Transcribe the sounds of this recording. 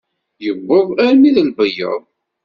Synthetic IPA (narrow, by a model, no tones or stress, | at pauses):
jəbːəðˤæɾmiðəlbəjə̰ðˤ